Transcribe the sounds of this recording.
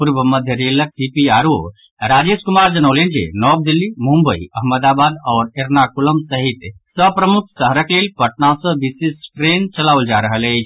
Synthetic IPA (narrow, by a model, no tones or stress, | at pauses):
puɾbəməd̪ʱjəɾelək̚ɖipiaɾo | ɾad͡ʒeskumaɾd͡ʒənəʊlend͡ʒḛnɔb̚d̪ilːimũmbəiəɦməd̪abad̪ɔːɾeɾnakuləmsəɦit̪sə̃pɾəmuk̚səɦəɾəklelpəʈ̚nãsə̃bisesʈɾent͡ʃəlawld͡ʒaɾəɦələt͡ʃʰ